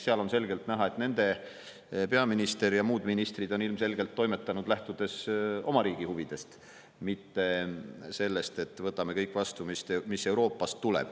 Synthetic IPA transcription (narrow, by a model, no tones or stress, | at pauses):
seɑlo̞nse̞lɡe̞lt̪næɦɑe̞t̪ne̞nd̪̥e̞ | pe̞ɑminist̪e̞ɾjɑmuːd̪̥minist̪rid̪o̞nilmse̞lɡe̞lt̪ːo̞jme̞t̪ːˑɑnud̪̥læht̪ud̪̥e̞so̞mɑɾiːɡ̥ihuvid̪̥e̞st̪ | mit̪ːe̞se̞lːe̞st̪e̞t̪ːˑvɤt̪ːˑɑme̞kɤjkːˑvɑst̪umist̪emisːe̞wɾo̞ːpːˑɑst̪ːulḛb̥